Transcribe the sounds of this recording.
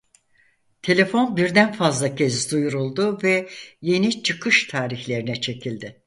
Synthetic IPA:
t̪ʰe̞lʲe̞fo̞nbiɾd̪ænfazlˠacʰezd̪ujuɾulˠd̪ʊvɛje̞nit͡ʃʰɯkʰɯʃt̪ʰaːɾiçlʲe̞ɾinɛt͡ʃʰe̞cʰilʲd̪ɪ

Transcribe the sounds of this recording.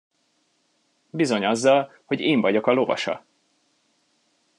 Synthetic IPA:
bizo̞ɲɒzːɒlho̞ɟeːɱvɒɟo̞kɒlo̞vɒ̰ʃɒ̰

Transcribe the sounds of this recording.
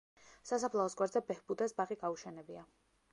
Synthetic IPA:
sasapʰlˠaɔsɡwaɾd̪zɛbɛhbud̪asbaʁiɡauʃɛnɛbia

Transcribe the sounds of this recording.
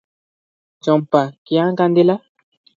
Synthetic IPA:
d͡ʒɔ̃mpakiãkãnd̪ela

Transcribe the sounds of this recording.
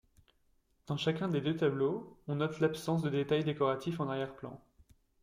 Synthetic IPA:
d̪̥ɑ̃ʃakʲɛ̃d̪ed̪øt̪abloɔ̃nɔt̪lapsɑ̃s̬d̪əd̪et̪ajd̪ekɔʁat̪ʰifɑ̃naʁjɛʁplɑ̰̃

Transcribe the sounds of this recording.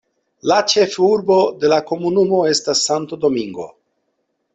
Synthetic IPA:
lat͡ʃe̞fuɾbo̞de̞lako̞munumo̞e̞stasːant̪od̪o̞miŋɡo̞̰

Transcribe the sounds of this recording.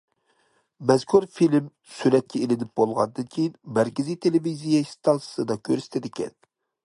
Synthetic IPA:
mɛz̥kʰuɾfilm | syɾɛt̪̚kʲʰɛelɪnɪp̚bolˠʁɑ̰nd̪ɨnkʲʰejinmæɾkʲɪzit̪ʰelevizijɛist̪ʰɑnsɨ̥sɨd̪ɑkʲʰøɾsɪ̥t̪ʰɪd̪ɪkʲʰɛ̰n

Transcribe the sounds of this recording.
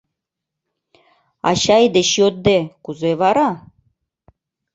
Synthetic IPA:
ɑ̰ɕɑjd̪eɕjot̪̚d̪ekuzeβɑɾɑ

